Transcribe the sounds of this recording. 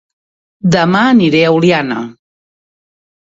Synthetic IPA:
d̪əmaəniɾeawljanə̰

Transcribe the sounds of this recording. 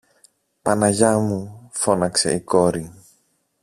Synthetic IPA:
pɐnɐʝɐmufo̞nɐkse̞̰iko̞ɾi

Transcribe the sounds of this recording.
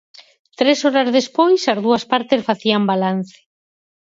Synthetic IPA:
t̪ɾesɔɾazðespojsazðuaspaɾt̪esfaθiambalan̟θe̥

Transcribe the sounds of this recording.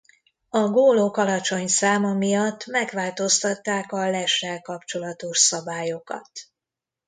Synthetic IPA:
ɒɡoːloːkɒlɒt͡ʃo̞ɲsaːmɒmijɒt̪ːmɛɡʋaːlt̪o̞st̪ɒt̪ːaːkɒlɛʃɛlkɒpt͡ʃo̞lɒt̪o̞ʃsɒbaːjo̞kɒ̰t̪

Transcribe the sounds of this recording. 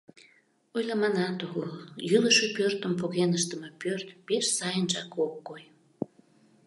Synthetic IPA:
ojlɑmɑnɑt̪oɣuljyləʃepørt̪əmpoɣenəʃt̪əme̽pørt̪peʃsɑjənʒɑkokːoj

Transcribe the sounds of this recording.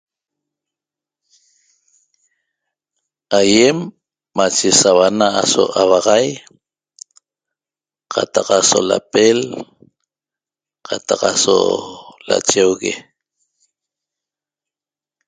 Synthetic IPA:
ajemː | at͡ʃesawanaaso̰ʔawɑʁɑj | qʰat̪ɑqasola̰pel | qʰat̪ɑqaso̰la̰t͡ʃewɣḛ

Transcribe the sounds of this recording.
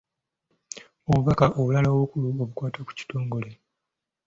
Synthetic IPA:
oβuβakaʔoβulaloːβukuluoβukwaːtaku̥ci̥to̞ːŋɡo̞le̞

